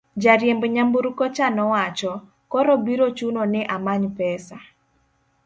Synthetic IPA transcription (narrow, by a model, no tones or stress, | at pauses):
d͡ʒaɾjembɲambuɾkɔt͡ʃanɔwat͡ʃɔ | kɔɾɔbiɾot͡ʃunonɪʔamaɲpɛsa